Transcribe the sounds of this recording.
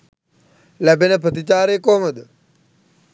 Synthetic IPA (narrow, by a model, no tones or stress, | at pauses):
læbenəpɾət̪it͡ʃaːɾeːkoːməd̪ə